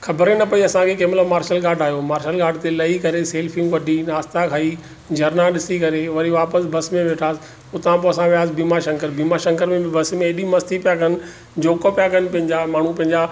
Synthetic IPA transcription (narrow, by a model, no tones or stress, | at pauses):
xʰɐbəɾenɐpɐiɐsãkʰekeːmlomaːɾʃəlɡaːɖaːɦjomaːɾʃəlɡaːɖt̪elɐikɐɾeseːlfĩːmʋɐɖʱinaːst̪akʰaːi | d͡ʑɐɾnaɗɪsikɐɾeʋɐɾiʋaːpəsbʱɐsmẽʋeːʈʰaːs | ʊt̪ãpoɐsãʋijaːs̬biːmaʃɐ̃ŋkəɾbiːmaʃɐ̃ŋkəɾmẽbɪbʱɐsmẽːɗimɐst̪ʰipijakʰɐnɪ̆ | d͡ʑoːkopijakʰɐnɪ̆pɐ̃ɦɪ̃ɲd͡ʑamaːɳ̤ũpɐ̃ɦɪ̃ɲd͡ʑa